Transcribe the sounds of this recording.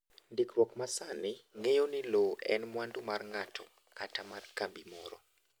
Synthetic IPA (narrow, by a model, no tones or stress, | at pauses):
ndikrwɔkmasanɪŋejoniloɛ̰nmwandumarŋatʰɔ | katamarkambimɔɾɔ